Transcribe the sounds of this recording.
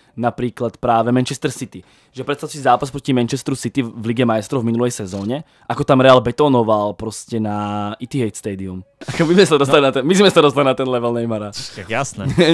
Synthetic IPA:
napɾiːklat̪pɾaːʋɛmɛnt͡ʃɛst̪ɛɾsit̪i | ʒɛpɾɛt̪st̪ad̪usizaːpaspɾɔcimɛnt͡ʃɛst̪ɾusit̪ivliɡɛmajst̪ɾɔvminulɛjsɛzɔːɲɛ | ʔakɔt̪amɾɛalbɛt̪ɔːnɔʋalpɾɔscɛnaʔit̪iɦɛjt̪st̪ɛːd̪iumakɔmizmɛsad̪ɔst̪alinat̪ɛmizmɛsad̪ɔs̬t̪alinat̪ɛnlɛʋɛlnɛjmaɾaajasnɛ

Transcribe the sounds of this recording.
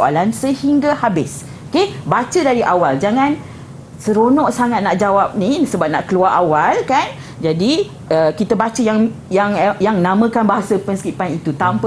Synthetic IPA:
a̰lansəhiŋɡahabɪs | okebat͡ʃədaɾiʔawald͡ʒaŋãn | səɾonɔʔsaŋat̪̚naʔd͡ʒawap̚nĩsəbap̚na̰ʔkəluaɾʔawalkan | d͡ʒadi | əkit̪əbat͡ʃəjaŋ | jaŋjaŋnãmə̃kanbaɦasəpənskipanit̪ut̪ampə

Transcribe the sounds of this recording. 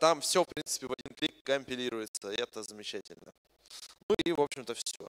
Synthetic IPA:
t̪amfsʲofpɾʲint̪sɨ̥pʲɪvɐdʲinklʲik̚ːəmʲpʲɪlʲiɾʊjɪt̪səɛt̪əzəmʲɪt͡ɕætʲɪ̰lʲnə̰ | nuivo̞pɕɪmt̪əfsʲo̰

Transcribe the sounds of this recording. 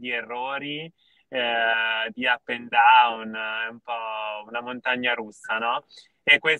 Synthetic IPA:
d̪ierːoːɾi | d̪iapːend̪aunumpɔunamont̪aɲːaɾusːanɔ | ekːwes

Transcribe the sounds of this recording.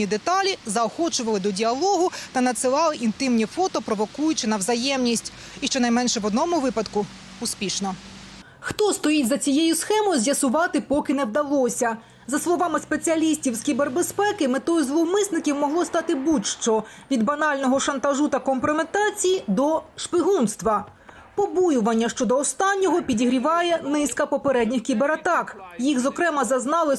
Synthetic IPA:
nʲid̪et̪ɑlʲizɐɔxɔt͡ʃʊʋɐlˠɪd̪ɔdʲiɐlˠɔɦʊt̪ɐnɐt̪sɪlˠɑlˠɪʔint̪ɪmnʲifɔt̪ɔpɾɔʋɔkujʊt͡ʃɪnɐwzɐjɛmnʲisʲtʲ | iʃt͡ʃɔnɐjmɛnʃɛʋɔd̪nɔmʊʋɪpɐd̪kʊ | ʊspʲiʃnɔ | xt̪ɔst̪ɔjitʲzɐt͡sʲijɛjʊsxɛmɔjʊzʲjɐsʊʋɑt̪ɪpɔkɪnɛwd̪ɐlˠɔsʲɐ | zɐslˠɔʋɑmɪspet͡sʲiɐlʲisʲtʲiwskʲiberbespɛkɪmɪt̪ɔjʊzʋɔmɪsnɪkʲiwmɔɦlˠɔst̪ɑt̪ɪbutʲʃt͡ʃɔʋʲid̪bɐnɑlʲnɔɦɔʃɐnt̪ɐʒut̪ɐkɔmpɾɔmet̪ɑt͡sʲijid̪ɔʃpʲiɦunst̪ʋɐ | pɔbujʊʋɐnʲːɐʃt͡ʃɔd̪ɔːst̪ɑnʲːɔɦɔpʲidʲiɦɾʲiʋɑjɛnɪskɐpɔpeɾɛdʲnʲixkʲibeɾɐt̪ɑkjixzɔkɾɛmɐzɐznɑlˠɪ

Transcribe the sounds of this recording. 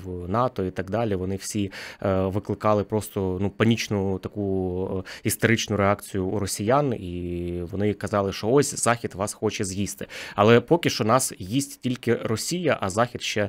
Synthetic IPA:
wnɑt̪ɔit̪ɐɡd̪ɑlʲiʋɔnɪwsʲiʋɪklˠɪkɑlˠɪpɾɔst̪ɔnupɐnʲit͡ʃnʊt̪ɐku | ist̪oɾɪt͡ʃnʊɾeɑkt͡sʲijʊːɾɔsʲijaniʋɔnɪkɐzɑlˠɪʃɔɔsʲz̥ɑxʲid̪ʋɑsxɔt͡ʃɛzjist̪ɪ̥ɐlˠɛpɔkʲɪʃt͡ʃɔnɑsjisʲtʲtʲilʲkɪrɔsʲijɐʔɐzɑxʲid̪ʃt͡ʃɛ

